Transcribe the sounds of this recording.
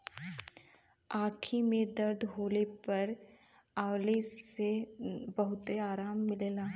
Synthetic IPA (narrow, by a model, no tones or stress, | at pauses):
aːkʰimẽd̪ɐɾd̪ʱɦoːlepɐɾ | aːwlesebɐɦʊt̪eaːɾaːmːɪleːlaː